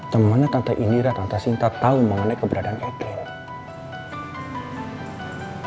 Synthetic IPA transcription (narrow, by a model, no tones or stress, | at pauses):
t̪əmanat̪ant̪aʔindiɾat̪ant̪asint̪at̪auməŋənajkəbəɾadaanʔɛkɪl